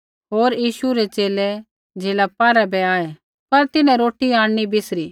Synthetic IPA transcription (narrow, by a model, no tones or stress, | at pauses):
ɦoːɾjiːʃuɾɛt͡ʃeːlɛ | d͡ʒeːlapaːɾabɛaːe | pɐɾt̪ɪnɛ̃ɾoːʈiaːɽñibɪsɾiː